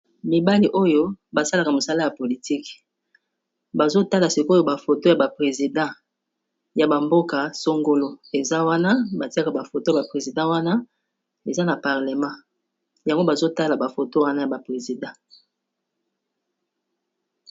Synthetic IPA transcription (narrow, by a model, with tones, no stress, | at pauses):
mi˨ba˦li˨ʔo˦jo˦ba˨sa˦la˨ka˨mo˨sa˦la˦ja˨po˨li˨ti˦k | ba˨zo˦ta˦la˨si˨ko˦jo˦ba˨fo˨to˦ja˨ba˨pʁe˨zi˨dã˦˨ | ja˨ba˨mbo˦ka˨so˦ŋɡo˦lo˦e˨za˦wa˦na˦ba˨ti˦a˦ka˨ba˨fo˨to˦ja˨pʁe˨zi˨dɑ̃˦wa˦na˦ | e˨za˦na˨pa˨ʁle˨mã˦ | ja˨ŋɡo˦ba˨zo˦ta˦la˨ba˨fo˨to˦wa˦na˦ja˨ba˨pʁe˨zi˨dɑ̃˦